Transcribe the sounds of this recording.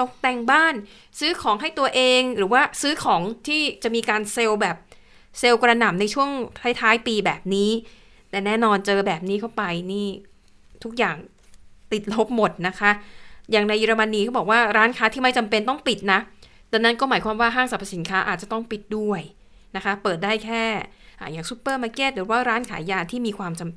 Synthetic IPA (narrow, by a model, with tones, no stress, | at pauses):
t̪o˨˩k̚t̪ɛ˧ŋbaː˥˩n | sɯː˦˥kʰɔː˩˦ŋɦa˥˩jt̪u˧ɐʔeː˧ŋɾɯː˩˦waː˥˩sɯː˦˥kʰɔː˩˦ŋt̪ʰiː˥˩t͡ɕa˨˩miː˧kaː˧nse˧wbɛː˨˩p̚ | se˧wkɾa˧na˨˩mna˧jt͡ɕʰu˥˩əŋt̪ʰa˦˥jt̪ʰaː˦˥jpiː˧bɛː˨˩p̚niː˦˥ | t̪ɛː˨˩nɛː˥˩nɔː˧nt͡ɕɤː˧bɛː˨˩p̚niː˦˥k̪ʰa˥˩wpa˧jniː˥˩ | t̪ʰu˦˥k̚jaː˨˩ŋ | t̪i˨˩t̪̚lo˦˥p̚mo˨˩t̪̚na˦˥kʰa˦˥ʔjaː˨˩ŋna˧ja˧ɾa˧ma˧nːiː˦˧kʰbɔː˨˩k̚waː˥˩ɾaː˦˥nkʰaː˦˥t̪ʰiː˥˩ma˥˩jt͡ɕa˧mpe˧nt̪ɔ˥˩ŋpi˨˩t̪̚na˦˥ | t̪ɛ˧na˦˥nkɔː˥˩maː˩˦jkʰwaː˧mwaː˥˩ɦaː˥˩ŋsa˨˩pʰa˧si˩˦nkʰaː˦˥ʔaː˨˩t̪̚t͡ɕa˨˩t̪ɔ˥˩ŋpi˨˩t̪̚du˥˩əj | na˦˥kʰa˦˥pɤː˨˩t̪̚daː˥˩jkʰɛː˥˩ʔa̰ː˨˩jaː˨˩ŋsu˦˥pːɤː˥˩ma˧˩keː˥t̪̚dɯ˨˩˦waː˥˩ɾaː˦˥nkʰaː˩˦jaː˧t̪ʰiː˥˩miː˧kʰwaː˧mt͡ɕa˧m